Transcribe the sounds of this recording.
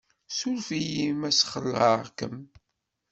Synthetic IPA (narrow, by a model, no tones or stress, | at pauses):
sulfijimæsχə̰lːə̰ʁkə̰m